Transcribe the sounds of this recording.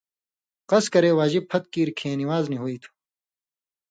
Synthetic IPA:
qɐskɐɾeːwaːd͡ʑib̚pʰɐt̪̚kiːɾkʰẽːniwaːzniɦuiːt̪ʰu̥

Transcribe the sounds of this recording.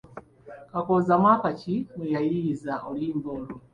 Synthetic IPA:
kakɔzamwakat͡ʃimujajizaʔɔlimbɔlu

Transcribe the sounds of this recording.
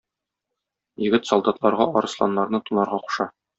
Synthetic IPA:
jɘ̆ɡɘt̪sɒlˠd̪ɑt̪lˠɑɾʁɑɒɾɤ̆slˠɑ̰nːɑɾnɤt̪unɑɾʁɑqu̥ʃɑ

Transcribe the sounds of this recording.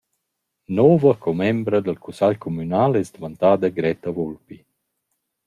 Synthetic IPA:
nɔːvakʰɔmɛmbɾəd̪əlkusaʎkʰɔmynaːlɛsd̪vant̪aːd̪əɡɾɛt̪avɔlpi

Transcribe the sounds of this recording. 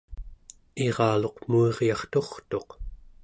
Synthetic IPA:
e̞ʁɑːlo̞qmueʁjɑχt̪o̞χt̪o̞q

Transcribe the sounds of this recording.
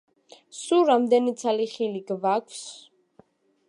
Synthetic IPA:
suɾamd̪ɛnit̪sʰaliχiliɡvakʷʰs

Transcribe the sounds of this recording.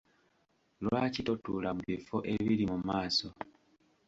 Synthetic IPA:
lwaːcitotuːlamuβifoʔe̞βiɾimumaːso̞

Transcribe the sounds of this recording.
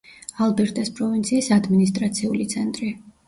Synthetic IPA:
alˠbɛɾt̪ʼɛspʼɾɔvint̪sʰiːsad̪minist̪ʼɾat̪sʰiulit̪sʰɛnt̪ʼɾi

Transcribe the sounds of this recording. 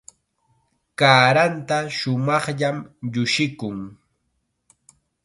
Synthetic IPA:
kaːɾant̪aʃʊmɑχʎamʎʊʃɪkʊŋ

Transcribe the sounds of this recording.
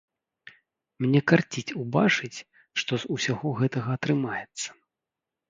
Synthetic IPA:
mnʲɛkart͡sʲit͡sʲubat͡ʂɨt͡sʲ | ʂt̪ɔzusʲaɣɔɣɛt̪ɐɣɐːt̪ɾɨmajɛt̪sːɐ̥

